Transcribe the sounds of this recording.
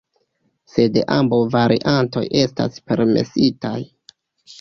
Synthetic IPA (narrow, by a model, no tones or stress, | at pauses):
se̞dḛʔambawvaɾʔḭʔanto̞̰jʔe̞sta̰spe̞ɾme̞̰sitaj